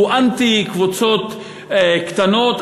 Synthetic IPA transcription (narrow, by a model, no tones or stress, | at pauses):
uʔant̪ikvut͡sot̪ | kt̪anot̪